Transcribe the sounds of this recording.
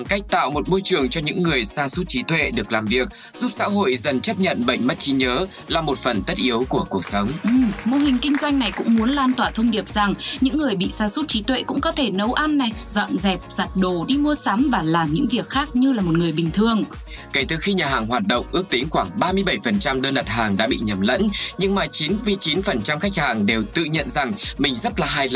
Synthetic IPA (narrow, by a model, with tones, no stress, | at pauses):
ɓa˨˩ŋka˦˥jk̟̚t̪a̰ː˧˨wmo˨˩t̚mo˧jt͡ɕɨ˨˩əŋt͡ɕɔ˧ɲɨ̰˧˥ŋːɨ˨˩əjsaː˧su˦˥t̚t͡ɕi˨˦t̪wḛ˧˨ɗɨ˨˩ək̚laː˨˩mvi˨˩ək̚ | z̥u˦˥p̚sa̰ː˧˥ɦo̰˧˨jzə˨˩nt͡ɕə˦˥p̚ɲə̰˧˨nɓə̰˧˨ŋ̟mə˦˥t̚t͡ɕi˨˦ɲəː˨˦ | laː˨˩mo˨˩t̚fə˨˩nt̪ə˦˥t̚ʔi˨˦əwku˧˩əku˨˩ək̚sə˨˦wŋ͡mʔɨ˨˩mmo˧ɦï˨˩ŋ̟kï˧ŋ̟zwa˧jŋ̟na˨˩jkʊ̰˧˥ŋ͡mmu˨˦ənlaː˧nt̪waː˧˩t̪ʰə˧wŋ͡mɗi˨˩əp̚za˨˩ŋɲɨ̰˧˥ŋːɨ˨˩əjɓḭ˧˨saː˧su˦˥t̚t͡ɕi˨˦t̪wḛ˧˨kʊ̰˧˥ŋ͡mkɔ˨˦t̪ʰe˧˩nə˨˦wʔa˧nːa˨˩jzɔ̰˧˨nzɛ˨˩p̚z̥a˨˩t̚ɗo˧˩ɗi˧mu˧əsa˨˦mvaː˨˩laː˨˩mɲɨ̰˧˥ŋvi˨˩ək̚xaː˦˥k̚ɲɨ˧laː˨˩mo˨˩t̚ŋɨ˨˩əjɓï˨˩ŋ̟t̪ʰɨ˨˩əŋ | ka˧˩t̪ɨ˨˩xi˧ɲaː˨˩ɦaː˨˩ŋɦwaː˨˩t̚ɗə̰˧˨wŋ͡mʔɨ˦˥ək̚t̪ï˨˦ŋ̟xwaː˧˩ŋɓaː˧mɨ˧əjɓə˧˩jfə˨˩nt͡ɕa˧mɗəː˧nɗa˨˩t̚ɦaː˨˩ŋɗa̰ː˧˥ɓḭ˧˨ɲə˨˩mlə̰˧˥nɲɨ˧ŋmaː˨˩t͡ɕi˨˦nvi˧˨˩t͡ɕi˨˦nfə˨˩nt͡ɕa˧mxa˦˥k̚haː˨˩ŋɗe˨˩wt̪ɨ̰˧˨ɲə̰˧˨nza˨˩ŋmï˨˩ŋ̟zə˦˥t̚laː˨˩ɦaː˧jl